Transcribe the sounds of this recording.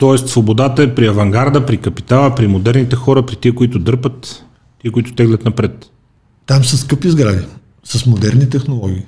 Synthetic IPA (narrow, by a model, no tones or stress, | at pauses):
t̪ɔɛst̪svobod̪at̪əɛpɾiɐvɐŋɡaɾd̪əpɾikɐpi̥t̪alˠəpɾimod̪ɛɾnit̪ɛxɔɾəpɾit̪iɛkoit̪ʊd̪ɤɾpət̪ː | iɛkoit̪ʊ̥t̪ɛɡlʲɐt̪nɐpɾɛt̪ | t̪amsəskɤpizɡɾavi | sɐsmod̪ɛɾnit̪ɛxnolˠɔɡʲiː